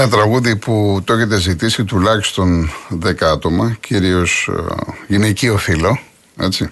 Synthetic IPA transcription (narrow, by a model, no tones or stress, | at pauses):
ɐt̪ɾɐɣuðiput̪oeçe̞t̪̬ezit̪isit̪ulɐçist̪o̞nðe̞kɐɐt̪o̞mɐcʰiɾio̞s | ʝinecio̞filo̞ | e̞̰t͡ssi